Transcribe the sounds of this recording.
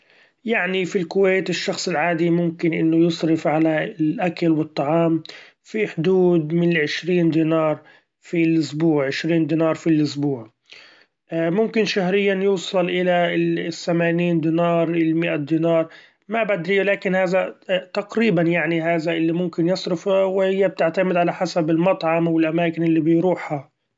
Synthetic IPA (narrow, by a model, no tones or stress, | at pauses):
jaʕnifilkʊwejt̪ɪʃːɑxsˤɪlʕaːd̪imʊmkɪnʔɪnːʊjʊsˤɾɪfʕalaɪlʔakalwɨt̪ˤːɑʕɑːm | fiħʊd̪uːd̪̚mɪnɪlʕɪʃɾiːnd̪iːnɑːɾˤ | filʔʊsbuːʕʕɪʃɾiːnd̪iːnɑːɾˤfilʔʊsbuːʕ | mʊmkɪnʃaɦɾɪjːanjuːsˤɑlʔɪlaθːamaːniːnd̪iːnɑːɾˤʔɪmɪʔad̪iːnɑːɾˤ | mabad̪ɾilaːkɪnhaːðat̪aqɾiːbanjaʕniɦaːðaʔɪlːimʊmkɪnjɑsˤɾʊfawɪhɪjːab̚t̪ɪʕt̪amɪd̪ʕalaħasabɪlmɑt̪ˤʕɑmwɪlʔamaːkɪnʔɪlːibɪjɾuːħha